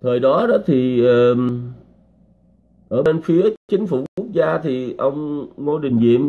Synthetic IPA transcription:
t̪ʰəː˨˩jɗɔ˨˦ɗɔ˨˦t̪ʰi˨˩əː˨˩ | ʔəː˧˩e˧nfi˨˦ət͡ɕï˨˦ŋ̟fṵ˧˩u˦˥ək̚zaː˧t̪ʰi˨˩ʔə˧wŋ͡mŋo˧ɗï˨˩ŋ̟zḭ˧˨əm

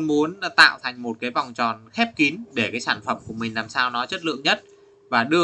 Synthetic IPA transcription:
mu˨˦ən˧t̪a̰ː˧˨wt̪ʰa˨˩jŋ̟mo˨˩t̚kaː˨˦jva˨˩wŋ͡mt͡ɕɔ˨˩nxɛ˦˥p̚ki˨˦nɗe˧˩kaː˨˦jsaː˧˩nfə˧˩mku˧˩əmï˨˩ŋ̟laː˨˩msaː˧wnɔ˨˦t͡ɕə˦˥t̚lɨ̰˧˨əŋɲə˦˥t̚ | vaː˨˩ɗɨ˧

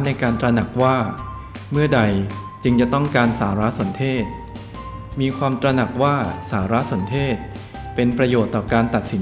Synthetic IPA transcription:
tna˧jkaː˧nt̪ɾa˧na˨˩k̚waː˥˩ | mɯ˥˩ɐda˧j | t͡ɕɯ˧ŋt͡ɕa˨˩t̪ɔ˥˩ŋkaː˧nsaː˩˦ɾa˦˥ʔso˩˦nt̪ʰeː˥˩t̪̚ | miː˧kʰwaː˧mt̪ɾa˧na˨˩k̚waː˥˩saː˩˦ɾa˦˥so˩˦nt̪ʰeː˥˩t̪̚ | pe˧npɾa˧joː˨˩t̪ːɔː˨˩kaː˧nt̪a˨˩t̪̚si˩˦

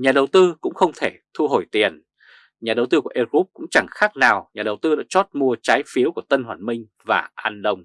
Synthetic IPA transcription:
ɲaː˨˩ɗə˨˩wt̪ɨ˧kʊ̰˧˥ŋ͡mxə˧wŋ͡mt̪ʰe˧˩t̪ʰu˧ɦo˧˩jt̪i˨˩ən | ɲaː˨˩ɗə˨˩wt̪ɨ˧ku˧˩əʔe˧ɣu˦˥p̚kʊ̰˧˥ŋ͡mt͡ɕa˧˩ŋxaː˦˥k̚naː˨˩wɲaː˨˩ɗə˨˩wt̪ɨ˧ɗa̰ː˧˥t͡ɕɔ˦˥t̚mu˧ət͡ɕaː˨˦jfi˨˦əwku˧˩ət̪ə˧nhwaː˧˩nmï˧ŋ̟ | vaː˨˩ʔaː˧nɗə˧wŋ͡m

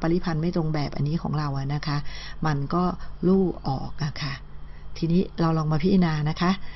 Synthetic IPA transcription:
pa˧li˦˥pʰa˧nma˥˩jt̪ɾo˧ŋbɛː˨˩p̚ʔa̰˧nːiː˦˥kʰɔː˩˦ŋɾa˧wʔa˨˩na˦˥kʰa˦˥ʔma˧nkɔː˥˩luː˥˩ʔɔ̰ː˨˩k̚ʔa˨˩kʰa˥˩ | t̪ʰiː˧niː˦˥ɾa˧wlɔː˧ŋmaː˧pʰi˦˥i˧naː˧na˦˥kʰa˦˥ʔ

